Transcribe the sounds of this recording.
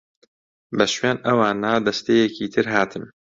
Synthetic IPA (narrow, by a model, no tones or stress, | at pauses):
bɐʃweːnɐwaːnad̪ɐst̪ejekiːt̪ʰɨɾɦaːt̪ʰɨm